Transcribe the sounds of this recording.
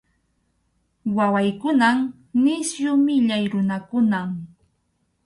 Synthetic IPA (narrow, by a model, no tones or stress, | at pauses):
wawajkʊnam | nɪsjʊmɪʎajɾʊnakʊnam